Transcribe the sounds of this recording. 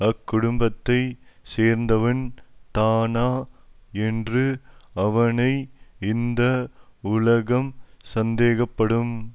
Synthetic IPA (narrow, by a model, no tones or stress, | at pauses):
ɐkːʊɽʊmbɐt̪ːɐɪseːɾnd̪ɐʋɐnt̪aːnaːɛndrɯɐʋɐnɐɪɪnd̪ɐʊlɐɣɐmsɐnd̪eːɣɐpːɐɽɯm